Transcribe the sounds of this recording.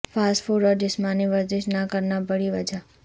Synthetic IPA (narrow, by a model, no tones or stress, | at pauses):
fʰasfuɾəɾɖɪsmaniʋəɾd̪eʃnakəɾnabəɭiʋəd͡ʒa